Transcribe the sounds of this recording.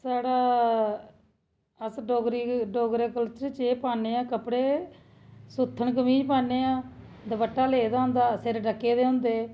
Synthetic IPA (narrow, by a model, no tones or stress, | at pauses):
saːɽaː | əsɖoːɡɾiɖoːɡɾeːkəltt͡ʃeːpaːneːãːkəpɽeː | sut̪ʰːəɳkəmiːd͡ʒpaːneːãː | d̪əbəʈːaːleːd̪aːɦʊ̃nd̪aːsɪɾɖəkːeːd̪eːɦʊ̃ːnd̪eː